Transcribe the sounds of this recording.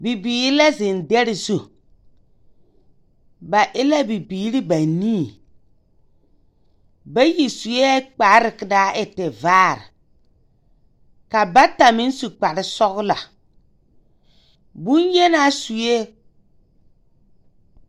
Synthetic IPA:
bi˨biː˨ɾɪ˦la˦zɪ˨ndɛ˦ɾɪ˨zu˦ | ba˨ʔɪ˦la˦bi˨biː˨˦ɾɪ˦ba˨niː˦˨ | ba˦ji˨su˨je˦a˦k͡pa˨˦ɾɪ˨kɪ˨daː˦ʔɪ˨tɛ˨vaː˦˨ɾɪ̰˨ | ka˨ba˦ta˨mɪ˦n˦su˨k͡pa˨ɾɪ˦sɔ˦ɣla̰˨ | bu˦njɛ˦na˦su˨je˦

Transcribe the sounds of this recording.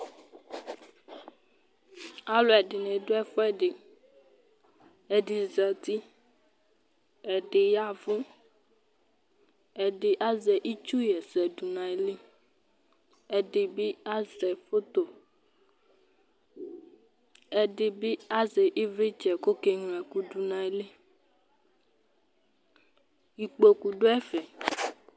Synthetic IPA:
a˦lo˨ɛ˨ɖɪ˨nẽ˨do˦ɛ˦fɔ˦ɛ˦ɖɪ˨ | ɛ˨di˨zɛ˨t̪i˦ | ɛ˨ɖɪ˨ja˦˨vʊ̃˦ | ɛ˨ɖɪ˨ʔa˦zɛ˨ʔi˦t͡ʃu˦jɛ˨sɛ˨du˨nã˨e˨li˦ | ɛ˨de˨bi˦a˦zɛ˨fo˦t̪o˨ | ɛ˨ɖe˨bi˦a˦zɛ˨ʔi˦vɾe˦t͡ʃɛ˨ko˦ke˦ŋ̃˨ɛ˨ku˦du˨nã˨e˦le˦ | i˨k͡po˨ku˨ɖo˦ɛ˦fɛ˨

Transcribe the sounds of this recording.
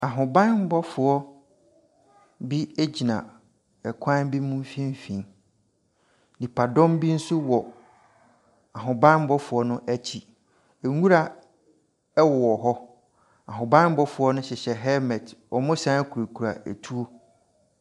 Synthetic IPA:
a˨ɦʊ̃˨bã˦nm̩˦bɔ˦fʊ˨ɔ˦ | bi˦e˦d͡ʑi˨nã̰˨ | ɛ˨kʷʰã˦bi˦mũ˦m˦fĩ˦m˦fĩ˨n | dĩ˨pʰa˨dɔ̃˦mbi˦n̩˦sʊ˦wɔ˨ | a˨ɦʊ̃˨bã˦n̩˦bɔ˦fʊ˨ɔ˦nʊ̃˦ʔæ˦t͡ɕʰi˨ | e˨ŋũ˦ɾa˨ | ɛ˦wɔ˨ɔ˨ɦɔ˦ | a˨ɦʊ̃˨bã˦m˦bɔ˦fʊ˨ɔ˦nʊ̃˦ɕɪ˨ɕɛ˨ɦɛ˦mɛ˨tɔ˨mʊ̃˦sã˦kʰu˨ɾe˨kʰu˨ɾa̰˨ḛ˨tʰu˦o˦

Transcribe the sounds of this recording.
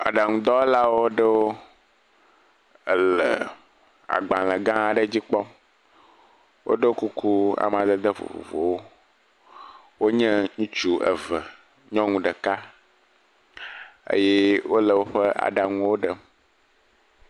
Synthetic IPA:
a̰˨ɖa˨ŋũ˨d̪ɔ˦la˦wo˦ɖə˦wo˦˨ | lə˨ | a̰˨ɡ͡bã˨lə˨ɡã˦a˨ɖə˦d͡ʑi˦k͡pɔ˦m | wʔo̰˦ɖə˦wo˦ku˦kʰu˦a̰˨m˨ã˨d̪ə˦d̪ə˦vo̰˨vo̰˨vo̰˨wo˦ | wo˦ɲɛ̃˦ŋũ˦t͡ʃu˦ʔə̰˨və˨ | ɲɔ̃˦ŋũ˨ɖə˨ka˦ | ə̰˦jɛ˦wo˦lə˨wo˦ɸə˦ʔa̰˨ɖa˨ŋũ˦wo˦ɖə˨

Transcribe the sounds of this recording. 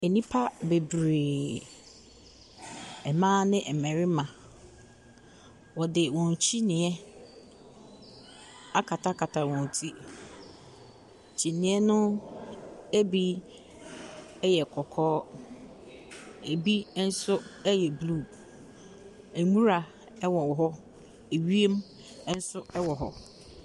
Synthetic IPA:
e˨nĩ˦pʰa˦be˨bɾeː˨ | ɛ˨mãː˦nɪ̃˦ʔɛ˨mɛ̃˨ɾɪ˦mã˨ | wɔ˨dɪ˨wɔ̃˨n˨t͡ɕʰi˦nɪ̃˨ɛ˦ | a˦kʰa˨tʰa˦kʰa˨tʰa˨wɔ̃˨n˨tʰi˦ | t͡ɕʰi˨nɪ̃˨ɛ˦nʊ̃˦ | e˦bi˦ | ɛ˦jɛ˨kʰɔ˨kʰɔː˦ | æ˨bi˦n̩˦sʊ˦ɛ˦jɛ˨bluː˦˨ | æ˨ŋũ˦ɾa˨ | ɛ˦wɔ̃˨wɔ˨ɦɔ˦ | e˨ɥi˦e˦m˦ | n̩˦sʊ˦ɛ˦wɔ˨ɦɔ̰˦

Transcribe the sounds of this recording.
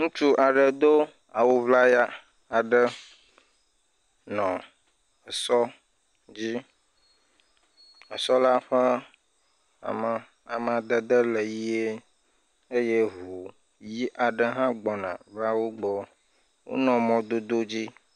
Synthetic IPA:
ŋũ˦t͡ʃu˦ʔa˨ɖə˨d̪o˦ | a˨wo˨vla˦ja˦ | a˨ɖə˦ | nɔ̃˨ | ə˨sɔ˦ | d͡ʑi˦ | ə˨sɔ˦la˦ɸə˦ | a̰˨mə˨ | a̰˨mə̃˨a˨d̪ə˦d̪ə˦lə˨ji˦e˦ | e˦je˦ɦu˨ | ji˦ʔa˨ɖə˦ɦã˦ɡ͡bɔ˨nã̰˨vla˦wo˦ɡ͡bɔ˦ | wo̰˦nɔ̃˨mɔ̃˨d̪o˦d̪o˦d͡ʑi˦

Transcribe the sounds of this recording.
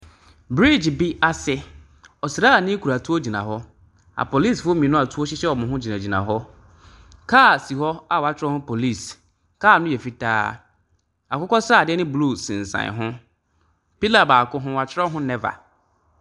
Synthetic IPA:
bɾi˦˨d͡ʑbi˦a˨sɛ˦ | ɔ˨sɾaː˦a˨nɪ̃˦kʰu˨ɾa˨tʰu˦o˦d͡ʑi˨nã̰˨ɦɔ˦ | a̰˨pʰo˨li˦sfʊ˦o˦mĩ˨nʊ̃˦a˨tʰu˦ɔ˦ɕɪ˦ɕɛ˦ɔ˨mʊ̃˨ɦʊ̃˦d͡ʑi˨nã˨d͡ʑi˨nã̰˨ɦɔ˦ | kʰaː˦˨si˨ɦɔ˦a˨wa˨t͡ɕʰɪ˦ɾɔ˦hʊ̃˦pʰo˨li˦˨s | kʰaː˦˨nʊ̃˦jɛ˨fi˦tʰa̰ː˦ | a˨kʊ˦kɔ˦sa˦˨dɪ˦ɛ˦nɪ̃˦blu˦˨sɪ̰̃˨n˨sã̰˨ɦʊ̃˦ | pi˦la˨baː˨kʊ˦ɦʊ̃˦˨a˨t͡ɕʰɪ˦ɾɔ˦ɦʊ̃˦nɛ˦va̰˨

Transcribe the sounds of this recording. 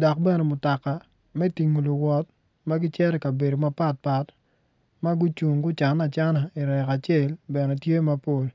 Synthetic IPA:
dɔ˨k̚bɛ˦nɛ˨mʊ˨ta˨ka˨ | mɛ˦ti˨ŋo˨lʊ˨wɔ˨t̚ | ma˦ɡɪ˦t͡ʃɛ˦ɾɛ˨ka˨be˨do˨ma˦pa˦˨t̚pa˨t | ma˦ɡʊ˦t͡ʃu˨ŋɡʊ˦t͡ʃa˨na˨t͡ʃa˦na˨i˨ɾɛ˨ka˨t͡ʃɪe˦˨lbɛ˨nɛ˨tje˦ma˦po˦˨l

